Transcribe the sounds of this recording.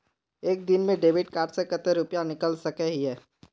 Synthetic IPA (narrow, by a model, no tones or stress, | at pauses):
eːk̚d̪ɪnmẽɖeːʋɪʈ̚kaːɾɖsekət̪eɾʊpjanɪkəlsɐkɛɦiɦɛː